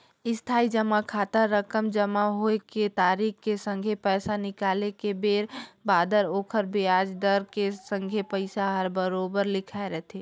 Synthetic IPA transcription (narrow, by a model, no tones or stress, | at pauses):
ɪst̪ʰaːid͡ʒəmakʰaːt̪əɾːəkəmd͡ʒəmaɦoeket̪aɾikkesə̃ŋɡʱepɛːsanɪkaːlekebeːɾbaːd̪əɾoːkʰəɾbʱiad͡ʒd̪əɾkesəŋɡʱepəɪsaɦəɾbəɾobəɾlɪkʰaeɾɛɦt̪ʰe